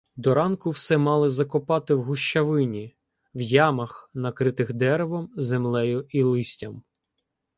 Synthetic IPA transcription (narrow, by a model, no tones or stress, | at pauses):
d̪ɔɾɑnkʊwsɛmɑlˠɪzɐkɔpɑt̪ɪwɦʊʃt͡ʃɐʋɪnʲi | wjɑmɐxnɐkɾɪt̪ɪxd̪ɛɾeʋɔmzemlˠɛjʊilˠɪsʲtʲɐm